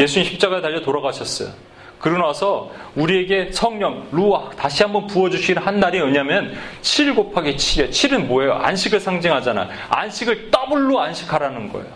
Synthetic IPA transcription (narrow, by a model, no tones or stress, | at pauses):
je̞sʰuɲiçʰip̚t͡ɕ͈aɡaetaʎːʌtoɾaɡaɕʰʌs͈ʌ̰jo̰ | kɯɾɯnwasʰʌuɾie̞ɡesʰʌŋɲʌŋɾutaɕʰiɦambʌnpuʌd͡ʑuɕʰiɡinhanːaɾiʌɲamjʌnt͡ɕʰiɭɡopʰaɡet͡ɕʰijet͡ɕʰiɾɯnmoejo̰a̰nɕʰiɡɯɭsʰaŋd͡ʑiŋɦad͡ʑana̰ | a̰nɕʰiɡɯɭt͈abɯɭːoanɕʰi̥kʰaɾanɯnɡʌ̰ḛjo